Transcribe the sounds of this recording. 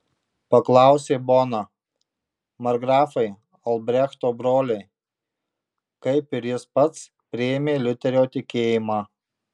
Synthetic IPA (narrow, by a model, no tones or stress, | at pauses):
pɐklˠɑˑʊsʲeːboːnɐ | mɐɾɡɾɑːfɐɪ | ɐlˠbʲɾʲɛxt̪oːbɾoːlʲɛɪ | kɐɪpɪɾʲjɪspɐt̪s | pʲɾʲɪemʲeːlʲʊt̪ʲɛɾʲoːt̪ʲɪkʲeːjɪmɑː